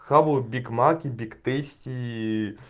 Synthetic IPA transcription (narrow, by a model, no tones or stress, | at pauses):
xabʊbʲikmakʲibʲikt̪esʲtʲi